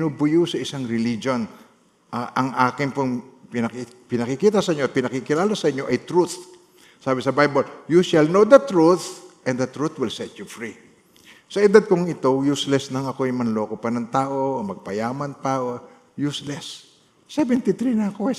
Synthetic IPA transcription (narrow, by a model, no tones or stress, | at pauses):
bɪnubʊjusɐʔɪsaŋɾɪlid͡ʒo̞n | ʔʔɐŋʔaːkɪnpoŋpɪnɐk | pɪnɐkɪkiːt̪ɐsɐʔɪɲoɐt̪̚pɪnɐkikɪlaːlɐsɐʔɪɲːo̞ʔɐjt̪ɾuθ | saːbɪsɐbajboljuʃɐlnowd̪ɐt̪ɾuθʔɛ̃nd̪ɐt̪ɾuθwɪlsɛt̪jufɹi | sɐʔɪd̪ad̪̚kʊŋɪt̪o̞juslɛsnɐŋɐkoɐjmɐnlo̞ːkopɐnɐŋt̪aːʔo̞mɐɡ̚pɐjaːmɐnpaɐʔo | juslɛsː | ɛvɛnt̪it̪ɾinɐɐko